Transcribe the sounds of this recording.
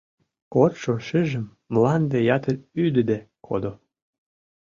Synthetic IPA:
kot̪ʃoʃɘʒə̆mːlɑnd̪ejɑt̪əlyd̪əd̪ekʰo̰d̪o

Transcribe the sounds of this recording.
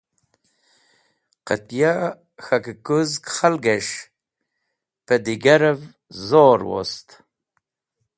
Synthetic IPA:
qə̰t̪ja | xakkuzkχalɡeʂ | pəd̪iɡaɾəv | zoɾwo̰st̪

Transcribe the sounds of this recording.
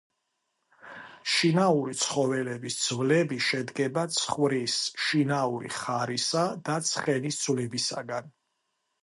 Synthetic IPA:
ʃinauɾit̪sʰχɔvɛlɛbisd̪zvlɛbiʃɛd̪ɡɛbat̪sʰχvɾisʃinauɾḭχaɾisad̪̥at̪sʰχɛnisd̪zvlibisa̰ɡan

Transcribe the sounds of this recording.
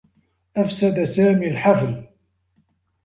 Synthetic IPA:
ʔafsad̪asaːmiːlħafl

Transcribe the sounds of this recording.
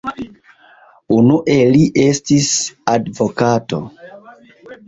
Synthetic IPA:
unuʔe̞liʔe̞stisadvo̞kato̞̰

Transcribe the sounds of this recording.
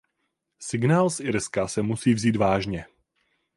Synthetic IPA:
sɪɡnaːlsʔɪɾskasɛmusiːvziːt̪vaːʒɲɛ

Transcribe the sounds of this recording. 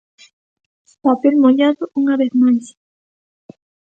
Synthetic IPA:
papelmoʎaðoʔuŋaβeθmajs

